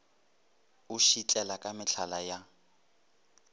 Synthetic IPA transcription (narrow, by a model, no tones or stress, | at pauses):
uʃit͡ɬʼɛlakʼamɪt͡ɬʰalaja